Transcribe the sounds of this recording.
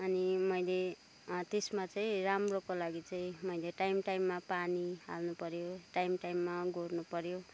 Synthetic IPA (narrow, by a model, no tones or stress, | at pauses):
ʌnimʌjle | t̪esmat͡saʌ̃ĩramrokolaɡit͡sʌĩmʌjleʈajmʈajmːapaniɦa̰lnupʌɾjoʈajmʈajmːaɡornupʌɾjo